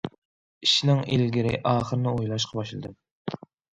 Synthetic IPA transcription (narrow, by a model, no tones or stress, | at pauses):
iʃinɪŋelɡʲiɾɪ̰ʔɑːχəɾnɪojlˠɑʃqʰɑbɑʃlˠɨd̪ɨm